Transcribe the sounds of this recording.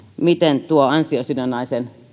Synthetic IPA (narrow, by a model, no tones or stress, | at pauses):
mit̪ent̪uoɑnsiosynænːɑisen